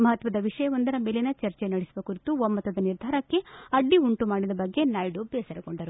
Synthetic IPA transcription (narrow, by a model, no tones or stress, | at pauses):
mɐɦɐt̪ʋɐd̪ɐʋiʂɐjɐʋond̪ɐɾɐmeːlenɐt͡ʃɐɾt͡ʃenɐɽisiʋɐkuɾit̪uomːɐt̪ʋɐd̪ɐniɾd̪ʱaːɾɐkːe̞ɐɖːiuɳʈumaːɽid̪ɐbɐɡːe̞najɖubesɐɾɐkoɳɖɐɾu